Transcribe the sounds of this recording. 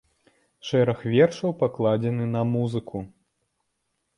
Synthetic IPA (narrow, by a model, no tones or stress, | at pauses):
ʂɛɾɐxvʲɛrʂɐwpaklˠad͡zʲɛnɨnɐmuzɨkʰu